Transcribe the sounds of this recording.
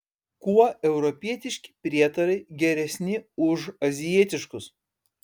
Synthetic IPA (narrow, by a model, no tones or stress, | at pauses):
kuɔɛʊɾɔpʲiɛt̪ʲɪʃʲkʲɪ̥pʲɾʲiɛt̪ɐɾɐɪɡʲɛɾʲɛsʲnʲɪʊʒɐzʲɪjiɛt̪ʲɪʃkʊs